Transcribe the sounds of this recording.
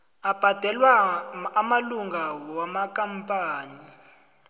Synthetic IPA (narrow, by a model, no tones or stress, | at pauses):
ab̥ʱad̥ʱɛlwaː | maluŋɡawamakampʼaːni